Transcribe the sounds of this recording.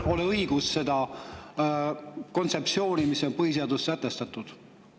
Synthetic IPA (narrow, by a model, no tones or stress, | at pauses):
o̞leɤiɡ̥usse̞d̪̥ɑ | ko̞nt̪se̞pt̪sio̞ːnimisːo̞npɤɦis̬eɑd̪ussæt̪ːest̪ɑt̪ːˑud̪̥